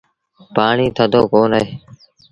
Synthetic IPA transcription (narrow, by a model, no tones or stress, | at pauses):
paːɳiːt̪ʰəd̪ʱoːkoːnəɦeː